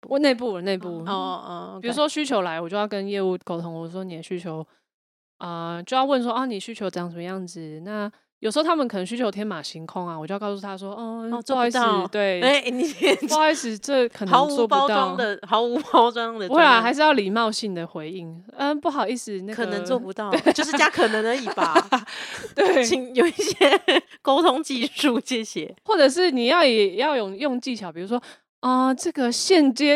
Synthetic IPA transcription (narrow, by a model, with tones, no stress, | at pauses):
wne˥˧ɪp̬u˥˩ne˥˧ɪpu˥˩ɔ˧˩˧pi˨˩u˧˦˥ʂwɔ˥ɕy˥t͡ɕʰjo˧˥ʊla˧˦wɔ˨˩t͡ɕjo˥˧jʊkə˦njɛ˥˧u˥˩ko˨˩ʊt̪ʰo˧˦ŋwɔ˨˩u˥wɔ˥ni˨˩jɛ˨˩ɕy˥t͡ɕʰjo˧˦ʊ | ə˩t͡ɕjo˥˧ʊjwə˥˨˧ns̬wɔ˥ɔ˥˧ni˨˩ɕy˥t͡ɕʰjo˧˥ʈ͡ʂɤ˥˧jɑ˥˩ŋʂə˨˩mə˧jɑ˥˩ŋd͡zɹ̩˨˩na˥˩ | jo˨˩ʂ̩˧˥˧t̪ʰa˥mə˨kə˨˩ə˧ŋɕ̬y˥jo˧˥ʊt̪ʰjɛ˥nma˨˩ɕi˧˥ŋkʰo˥ŋa˨wt͡ɕjo˥˧jksu˥˩t̪ʰa˥swɔ˥ɔ˥˧ɔ˥˧˥t̪we˥˩ɪe˥n˨˥˧i˥sɹ̩˨˩ʈ͡ʂə˥˩kʰə˨˩nɑ˨˧˦ʊt͡swɔ˥˧˩pɑ˧˥ʊt̪ɑwɑ˨ʊ˥ŋd̪ə˨xɑ˧˥ʊu˧˥pɑ˥ʊʈ͡ʂwɑ˥ŋd̪ə˨wnxa˧˥ɪʂ̬ɻ̩˥˧jɑ˥˩ʊli˨˩mɑ˥˧ʊɕi˥˩nd̪ə˩xwe˧˦ɪi˥˩ŋ | ə˧pu˥˩xɑ˨˩ʊi˥˩ʂɻ̩˨˩na˥kʰɤ˨˩nə˧˦ŋt͡swɔ˥˩pu˧˥t̪ɑ˥˩˨we˥˩jo˥ʊ˥ʂɻ̩˥˧t͡ɕja˥kʰɤ˨˩nə˧˦ŋə˧i˨˩ba˩ | t̪we˥˩ɪi˨˩ŋjo˨˩ʊi˥˩ɕjɛ˦˥ko˥ʊt̪ʰʊ˥ŋt͡ɕi˥˧ʂu˥˧ɕjɛ˥˧ɕjɛ˥˩xwɔ˥˩ʈ͡ʂɤ˨˩ʂ̬ɻ̩˥˩ni˨˩jɑ˥˩ʊjɛ˨˩jɑ˥˧ʊjʊ˥˩ŋjo˥˧ŋt͡ɕi˥˩t͡ɕʰjɑ˨˩ʊpi˨˩ɻu˧˥ʂwɔ˥ | ɔ˩ʈ͡ʂɤ˥˩ɡə˨ɕjɛ˥˧nt͡ɕjɛ˥